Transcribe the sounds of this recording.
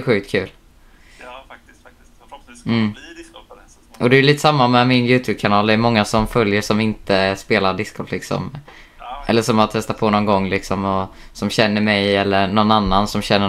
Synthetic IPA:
ɧʉ̟ːk̚t̪̚kʰʉ̟ːl | m̩ː | ʔɔd̪ɛːɾliːt̪ə̥samːamɛmɪnjʉ̟ːt̪ʰʉːb̚kʰanɑːld̪ɛɛmɔŋːasɔmfœljəʂɔmɪnt̪əspeːlaɖɪskʰɔp̪lɪksɔ̰m | ʔɛlːəʂɔmat̪ʰɛst̪at̪̚pʰoːnɔnɡɔŋːlɪksɔmɔ | sɔmɕɛnːəmɛjɛlːəɳɔnːanːansɔmɕɛnːə

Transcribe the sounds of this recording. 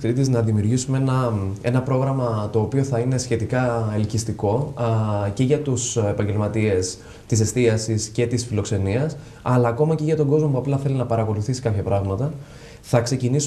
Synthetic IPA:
kɾit̪iznɐðimiuɾʝisumeenɐe̞nɐpɾo̞ɣɾɐmɐt̪o̞ːpio̞θɐine̞sçe̞t̪ikɐelicist̪iko̞ | ce̞ʝɐt̪use̞pɐɲɟe̞lmɐt̪ie̞s | t̪ise̞st̪iɐsisce̞t̪isfilo̞kse̞niɐs | ɐlɐːko̞mɐce̞ʝɐt̪o̞ɡo̞zmo̞puɐplɐθe̞linɐpɐɾɐko̞luθisi̥kɐpçɐpɾɐɣmɐt̪ɐ | θɐkse̞cinis

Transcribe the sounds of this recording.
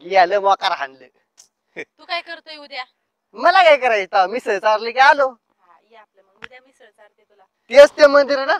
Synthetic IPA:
laləmwakaɾaɦa̰nlə̰ | ukajkəɾt̪oiud̪ja | məlakajkəɾait̪awmiːsəɦt͡saɾləkaalo | pl | iət͡saɾ | t̪iəst̪jamənd̪iɾna

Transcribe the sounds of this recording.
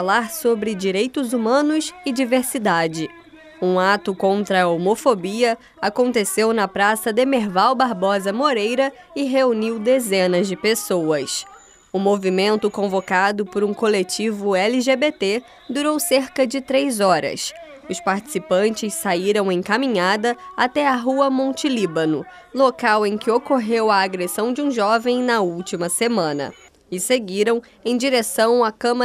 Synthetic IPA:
laɾsobɾɪd͡ʒiɾejt̪ʊzumɐ̃nʊsɪd͡ʒiveɾsid̪ad͡ʒɪ | ũat̪ʊkõnt̪ɾɐomofobiɐ | akõnt̪esewnɐpɾasɐd̪emeɾvawbaɾbɔzɐmoɾejɾɐ | ɪɦeuniwd̪ezẽnɐzd͡ʒɪpesowɐs | ʊmovimẽnt̪ʊkõvokad̪ʊpoɾũkolet͡ʃivʊɛliʒebet̪e | d̪uɾowseɾkɐd͡ʒɪt̪ɾejzɔɾɐ̰s | ʊspaɾt͡ʃi̥sipɐ̃nt͡ʃɪssaiɾɐ̃w̃ẽj̃kamĩɲad̪ɐat̪ɛɐɦuɐmõnt͡ʃilibɐnʊ̰ | lokawẽj̃kɪokoɦewɐːɡɾesɐ̃w̃d͡ʒɪũʒɔvẽj̃nɐuwt͡ʃimɐsemɐ̃nɐ̰ | ɪseɡiɾɐ̃w̃ | ẽj̃d͡ʒiɾesɐ̃w̃ɐkɐ̃mɐ

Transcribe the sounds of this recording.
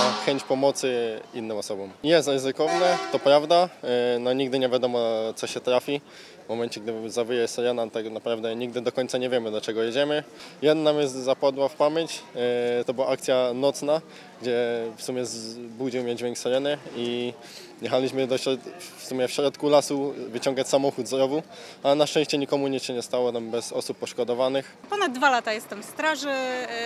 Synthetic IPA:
xɛɲt͡ɕpɔmɔt̪sɘinːɘmɔsɔbɔmjɛst̪ɾɘzɘkɔvnɛt̪ɔpɾavd̪anɔɲiɡd̪ɘɲɛvʲjad̪ɔmɔt̪sɔɕɛt̪ɾafʲi | vmɔmɛnt͡ɕɛɡ̚d̪ɘzabɘjɛsɛɾɛnat̪aknapɾavd̪ɛɲiɡ̚d̪ɘd̪ɔkɔɲt̪saɲɛvʲɛmɘd̪ɔt͡ʂɛɡɔjɛd͡ʑɛmɘjɛd̪namjɛzt̪zapad̪wafpamʲjeɲt͡ɕt̪ɔbɘwaʔak̚t̪sʲjanɔt̪sna | ɡd͡ʑɛfsumʲɛzbud͡ʑiwmʲjɛd͡ʑvʲɛŋksɛɾɛnɘi | jɛxalʲiɕmɘd̪ɔɕɾɔt̪fsumʲjɛfɕɾɔt̪kulasuvɘt͡ɕɔ̃ŋɡat͡ɕsamɔxud̪zɾɔvu | alɛnaʂtɛ̃ɕt͡ɕɛɲikɔmuɲɛɕɛɲɛst̪awɔt̪ambɛzɔsupːɔʂkɔd̪ɔvanɘxpɔnad̪̚ːvalat̪ajɛst̪ɛmfst̪ɾaʐɘ

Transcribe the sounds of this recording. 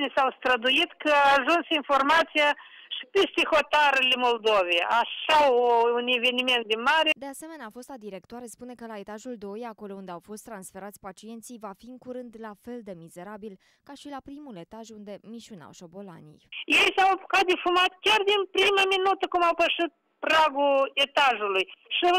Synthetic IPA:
nsawst̪ɾəd̪uit̪kʰəaːʒunsinfo̞rmat̪sija | ʃi̥pest̪eho̞t̪aɾlemo̞ld̪o̞vejaʃaoune̞ve̞nime̞nt̪̚d̪inmaɾed̪e̞ase̞me̞neaːfo̞st̪ad̪iɾe̞k̚t̪oaɾespune̞kəlaet̪aʒuld̪o̞jako̞lo̞und̪e̞awfo̞st̪ːɾansfe̞ɾat̪sʲpat͡ʃie̞nt̪sijvafiɨŋkuɾɨnd̪lafe̞ld̪e̞mize̞ɾabil | kaʃilapɾimule̞t̪aʒund̪e̞miʃuna̰wʃo̞bo̞la̰nḭjjejsawpu̥kat̪̚d̪efumat̪̚kʲard̪inpɾimaminut̪əkumawpəʂit̪̚ | praɡulet̪aʒulujʃi

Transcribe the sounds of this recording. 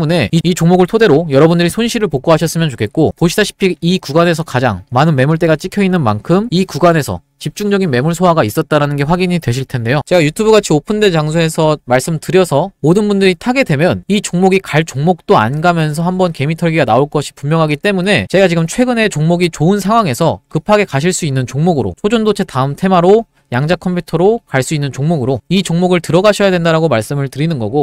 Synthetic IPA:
mune̞iit͡ɕoŋmoɡɯɭtʰode̞ɾojʌɾʌbundɯɾisʰonɕʰiɾɯɭpok͈oɦaɕʰʌs͈ɯmjʌnt͡ɕo̥kʰe̞t̚k͈opoɕʰidaɕʰi̥pʰiikuɡane̞sʰʌkad͡ʑa̰ŋmanɯnme̞muɭt͈e̞ɡat͡ɕ͈ikʰjʌinːɯnma̰nkʰɯmikuɡane̞sʰʌ̰ | t͡ɕip̚t͡ɕ͈uŋd͡ʑʌɡinme̞muɭsʰoɦaɡais͈ʌt̚t͈aɾanɯnɡe̞ɸwaɡiɲidwe̞ɕʰiɭtʰe̞nde̞jot͡ɕe̞ɡajutʰubɯɡat͡ɕʰiopʰɯndet͡ɕaŋsʰoe̞sʰʌmaɭs͈ɯmtɯɾjʌsʰʌmodɯnbundɯɾitʰaɡe̞dwe̞mjʌnit͡ɕoŋmoɡikaɭt͡ɕ͈oŋmok̚t͈oa̰nɡamjʌns̬ʰʌhambʌnke̞mitʰʌɭɡiɡanaoɭk͈ʌɕʰi̥pumjʌŋɦaɡit͈e̞mune̞t͡ɕeɡat͡ɕiɡɯmt͡ɕʰwe̞ɡɯne̞t͡ɕoŋmoɡit͡ɕoɯnsʰaŋɦwaŋe̞sʰʌkɯpʰaɡe̞kaɕʰiɭs͈uinːɯnt͡ɕoŋmoɡɯɾo̰sʰod͡ʑondot͡ɕʰe̞taɯmtʰe̞maɾo | jaŋd͡ʑakʰʌmpʰjutʰʌɾokaɭs͈uinːɯnt͡ɕoŋmoɡɯɾoit͡ɕoŋmoɡɯɭtɯɾʌɡaɕʰʌjadwe̞ndaɾaɡomaɭs͈ɯmɯɭtɯɾinɯnɡʌɡo

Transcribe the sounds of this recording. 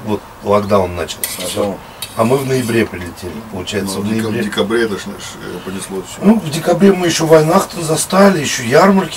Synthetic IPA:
vo̞t̪̚ | lˠɐɡd̪awʊnːat͡ɕɪlˠs | ɐmɨvnəjɪbɾʲe̞pɾʲɪlʲɪtʲelʲɪpəlˠʊt͡ɕæjɪsəvnəɪbvɾʲeɪkɐbɾʲet̪əʂʂpənʲɪslˠo | nuvdʲɪkɐbɾʲemɨjɪɕːovɐjnaxt̪əmzɐst̪alʲɪɪɕːojarmərkʲɪ

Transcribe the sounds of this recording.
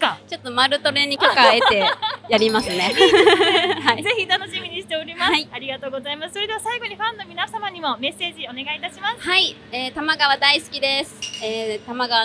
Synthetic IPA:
at͡ɕo̞t̪ːo̞maɾɯ̟t̪o̞ɾe̞ɲ̟ːikʲokae̞t̪e̞jaɾʲimasɨne̞ | haizeçit̪ano̞ɕimʲiɲ̟iɕi̥t̪eoɾʲimhasaiaɾʲiɡat̪o̞ːɡo̞zaimasɨ̥so̞ɾe̞d̪e̞βasaiɡo̞ɲ̟iɸãnːo̞mʲinasamaɲ̟imo̞me̞se̞ːd͡ʑio̞ne̞ɡait̪aɕimasɨhai | eːt̪amaɡaβad̪aisɨ̥kʲid̪e̞sɨ̥eːt̪amaɡaβa

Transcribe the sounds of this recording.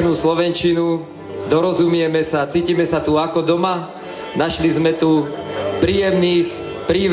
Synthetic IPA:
nuːslɔʋɛnt͡ʃinu | d̪ɔɾɔzumɪɛmɛsat͡siːcimɛsat̪uakɔd̪ɔma | naʃlizmɛt̪upɾiːjɛmniːx | pɾiːʋ

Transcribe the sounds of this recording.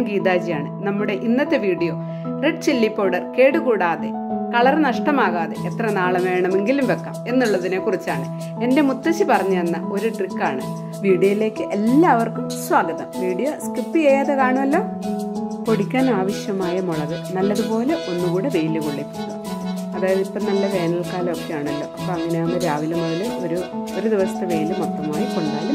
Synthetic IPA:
ɡiːd̪aːd͡ʑijaːɳɨnɐmːuɽe̞ʔinːɐt̪ːe̞ʋiːɽijo̞ː | reɖt͡ɕelːipːoːɽɐrke̞ːɽukuːɽaːðḛ | kɐɭɐrnɐʂʈɐmaːɣaːðe̞̰ʔet̪rɐnaːɭɐʋeːɳɐme̞ŋɡilumʋe̞kːɐme̞nːuɭːɐðine̞kːurit͡ɕːaːɳɨ | e̞nde̞mut̪ːɐt͡ɕːɨpɐrɐɲːɐenːɐo̞ɾuʈrikːaːɳɨ | ʋiːɽijojile̞ːkːɨʔelːaːɐʋɐrkumswaːɡɐðɐmʋiːɽijoskript̪ːɨeːjaːðekaːɳɐmɐlːo̞ː | po̞ɽikʲːaːnaːʋɐɕjɐmaːjɐmoɭɐðɨnɐlːɐðupo̞ːleʔo̞nːukuːɽebejlɨkoɭːipːinːu | ɐðaːjɐðipːɐnɐlːɐpeːnɐlkaːlokːejaːɳɐlːo̞ːʔɐpːoɐŋːɐneunɐɾaːʋilonːɐðiloɾuoɾud̪iʋɐsɐ̥t̪ːɐʋejlɨmot̪ːɐmaːjikoɳaːlːɐ

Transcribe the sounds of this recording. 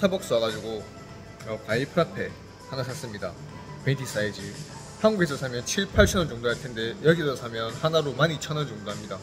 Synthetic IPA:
sʰabʌk̚s͈uaɡad͡ʑuɡo | ʌkaipʰɾapʰe̞ | hanasʰas͈ɯmɲida̰ | petʰis͈ʰaid͡ʑi | hanɡuɡesʰʌsʰamjʌnt͡ɕʰiɭpʰaɭɕʰinɯnt͡ɕoŋdoɦaɭtʰe̞nde̞jʌɡisʰʌsʰamjʌnhanaɾomaɲit͡ɕʰʌnɯnt͡ɕoŋdoɦamɲida

